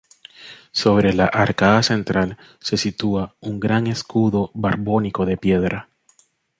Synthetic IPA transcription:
so̞βɾe̞laʔaɾkaðase̞nt̪ɾʔal | se̞sit̪uauŋɡɾaŋe̞skuðo̞βaɾβo̞niko̞ðe̞pje̞ðɾa

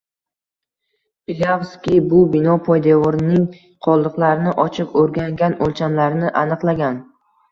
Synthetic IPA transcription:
pɪlʲavskʲɪbʊbɪnɒpʰɒjd̪evɒɾnɪŋ | qʰɒlˠd̪ɨqlˠaɾɪnɪʔɒt͡ʃʰɪpɵɾɡʲaŋɡʲanolt͡ʃʰamlaɾnɪʔanɨqlˠaɡʲan

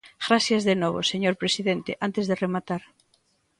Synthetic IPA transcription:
ɣɾasjazðenɔβ̞o̰seɲoɾpɾesiðent̪eʔant̪ezðeremat̪aɾ

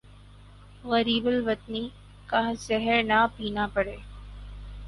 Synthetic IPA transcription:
ɣəɾiːbəlʋət̪niː | kazɛɦəɾnapiːnapəɽeː

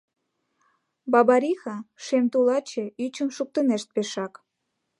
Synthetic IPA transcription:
bɑbɑɾixɑʃemt̪ulɑt͡ɕeyt͡ɕəmʃuk̚t̪ə̆neʃt̪̚peʃɑk

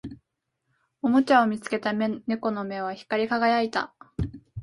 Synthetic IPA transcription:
o̞mo̞t͡ɕao̞mʲit͡sɨ̥ke̞t̪ane̞ko̞no̞me̞β̞açi̥kaɾʲikaɡajait̪a̰

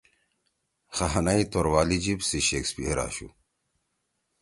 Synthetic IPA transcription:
xɐɦɐnait̪oɾwaːlid͡ʑibsiɕekspieɾa̰ːɕṵ

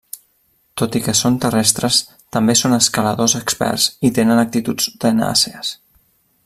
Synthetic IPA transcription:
t̪ot̪ikəsont̪ərɛst̪ɾəs | t̪əmbesonəskələðozəkspɛ̰rz̥it̪enənək̚t̪it̪ud͡zd̪əna̰seəs

